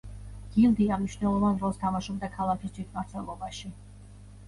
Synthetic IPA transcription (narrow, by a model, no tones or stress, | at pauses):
ɡ̥ilˠd̪iamniʃnɛlˠɔvanɾɔlˠst̪ʰamaʃɔb̚d̪akʰalˠakʰisd͡ʒid̪maɾt̪sʰɛlˠɔbaʃi